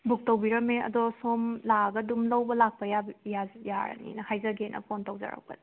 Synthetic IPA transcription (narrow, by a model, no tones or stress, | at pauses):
buk̚towbiɾɐmeɐ̰dɔsomlaɡɐdumlɐwbɐlak̚pɐjabjajaɾɐ̰nḭnɐhajzɐɡenʔɐ̰pʰontowza̰ɾa̰wpɐ̰di